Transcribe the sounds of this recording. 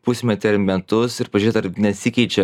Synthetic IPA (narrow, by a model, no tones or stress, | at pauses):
pʊsʲmʲɛt̪ʲɪɐɾmʲɛt̪ʊsɪɾpɐʒyɾʲet̪ɐɾnʲɛsʲɪkʲɛɪt͡ʃʲɛ